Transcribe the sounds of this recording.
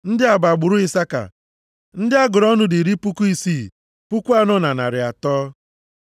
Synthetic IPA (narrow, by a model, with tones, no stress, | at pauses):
n̩˦dɪ˦a˨ba˨ɡ͡bʊ˨ɾʊ˦ɪ˦sa˦ka̰˨ | n̩˦dɪ˦a˦ɡʊ˨ɾɔ˦nʊ˦dɪ˨ɾi˦pu˦ku˦i˦si˦˨ | pu˦kʷu˦a˦nɔ˦na˨na̰˨ɾɪ˨a̰˨tɔː˦